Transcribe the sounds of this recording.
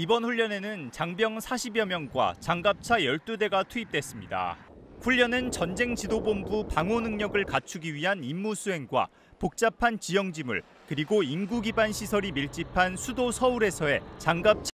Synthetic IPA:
ibʌnɸuʎːʌne̞nɯnt͡ɕaŋbjʌŋsʰaɕʰibjʌmjʌŋɡwa̰t͡ɕaŋɡap̚t͡ɕʰajʌɭt͈ude̞ɡatʰuip̚t͈we̞s͈ɯmɲida̰ | ɸuʎːʌnɯnt͡ɕʌnd͡ʑe̞ŋt͡ɕidobombupaŋonɯŋɲʌɡɯɭkat͡ɕʰuɡiɥiɦanimːusʰuɦe̞ŋɡwa̰ | pok̚t͡ɕ͈apʰant͡ɕijʌŋd͡ʑimṵɭ | kɯɾiɡoimɡuɡibanɕʰisʰʌɾimiɭt͡ɕ͈ipʰansʰudosʰʌuɾe̞sʰʌe̞t͡ɕaŋɡap̚t͡ɕʰ

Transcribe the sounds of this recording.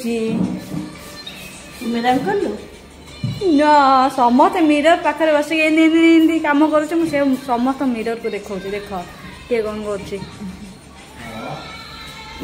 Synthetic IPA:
d͡ʒi | umeɾankɔɾlu | nɔsɔmɔt̪ʰɔmiɾɔɾpakʰɔɾebɔsekeninind̪ikamɔɡɔɾut͡ʃʰimũsesɔmɔt̪ʰɔmiɾɔɾkud̪ekʰɔwt͡ʃʰid̪ekʰɔ | keɡɔnɔɡɔɾut͡ʃʰi

